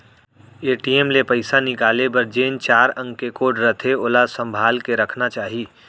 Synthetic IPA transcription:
eːʈiemlepɐɪsanɪkaːlebɐɾd͡ʒeːnt͡ʃaːɾə̃ŋɡkekoːʈɾət̪ʰeolasə̃mbʱaːlkeɾɐkʰnat͡ʃaːɦiː

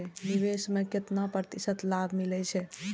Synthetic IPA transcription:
ɛniʋesmeket̪napɾət̪isət̪labʱmilɛt͡ʃʰɛ

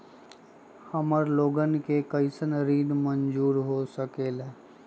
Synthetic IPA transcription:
həməɾloːɡənkekəɪsənɾiːd̪mə̃nd͡ʒuːɾɦosəkeːlɛː

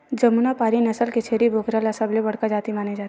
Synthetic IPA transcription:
d͡ʒɐmunapaːɾinɐsəlket͡ʃʰeːɾibʱoːkɾalɐsəblebɐɽ̤kad͡ʒaːt̪imaːned͡ʒaːt̪

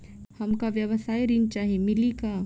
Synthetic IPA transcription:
hɐmkaʋjəʋəsaːjɾint͡ʃaːɦiemɪlika

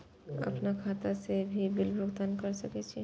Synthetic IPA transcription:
ə̰pnakʰat̪asebʱibɪlbʱɾoɡt̪ankəɾsəkɛt͡ʃʰi

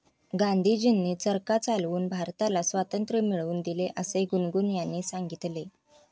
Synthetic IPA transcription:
ɡãnd̪ʱid͡ʑinːiːt͡səɾkat͡salʋuːnbʱaɾt̪alasʋat̪ənt̪ɾəmiɭuːnd̪ileʔəseɡunɡunjanːiːsaŋɡit̪le

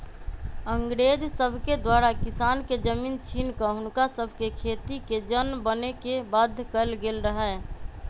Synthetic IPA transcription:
əŋɡɾeːd͡ʒsəbʱked̪waːɾakɪsaːnked͡ʒəmiːnt͡ʃʰiːnkəɦʊnkasəbʱkekʰeːt̪iked͡ʒənbənekebaːd̪ʱːkəlɡelɾəɦɛ

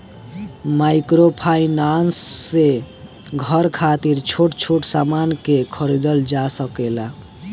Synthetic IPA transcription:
maɪkɾopʰainansːe | ɡʱəɾkʰat̪iɾt͡ʃʰoʈt͡ʃʰoʈsamankekʰəɾid̪əld͡ʒasəkela

